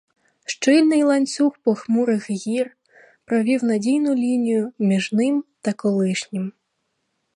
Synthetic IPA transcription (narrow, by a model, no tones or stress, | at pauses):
ʃt͡ʃɪlʲnɪjlˠɐnʲt͡ssʲuxpɔxmuɾɪxɣʲir | pɾɔʋʲiwnɐdʲijnʊlʲinʲijʊmʲiʒnɪmt̪ɐkɔlˠɪʃnʲɪm